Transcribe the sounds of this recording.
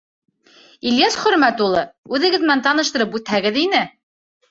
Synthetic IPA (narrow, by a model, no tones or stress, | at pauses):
iljɑsχɵ̆ɾmæt̪ulˠɤʉðɘ̆ɡɘ̆ðmɘnænt̪ɑnɤ̆ʃt̪ɤ̆ɾɤpʉt̪hæɡɘðinɘ